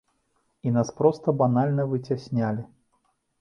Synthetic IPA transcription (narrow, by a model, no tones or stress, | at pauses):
inaspɾɔst̪ɐbanalʲnɐvɨt͡sʲasʲnʲalʲi